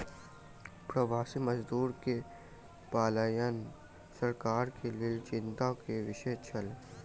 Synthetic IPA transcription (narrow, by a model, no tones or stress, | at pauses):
pɾəʋaːsiməzd̪uːɾke | paːlaːjən | səɾkaːɾkelɪelt͡ʃɪ̃nt̪akeʋɪʃət͡ʃʰɐl